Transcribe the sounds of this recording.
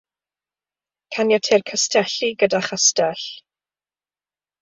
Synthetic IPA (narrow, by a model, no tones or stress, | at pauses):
kʰanjɔtʰerkʰəstʰɛɬiɡədaχastɛɬ